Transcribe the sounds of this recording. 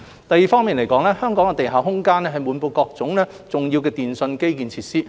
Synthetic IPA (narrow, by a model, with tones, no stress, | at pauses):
t̪ɐ˨jiː˨˩fɔː˥miː˨nle˨˩jkɔː˨˥ŋlɛː˥hœː˥ŋkɔː˨˥ŋɛ˧t̪e˨jɦaː˨˩wɦʊ˥ŋkaː˥nlɛː˥ɦɐ˨jmuː˨˧˥npo˧wkɔː˧k̚t͡sʊ˨˥ŋlɛː˥ | t͡sʊ˨ŋjiː˧wkɛː˧t̪iː˨nsɵ˧nke˥jkiː˨˩nt͡sʰiː˧t̚siː˥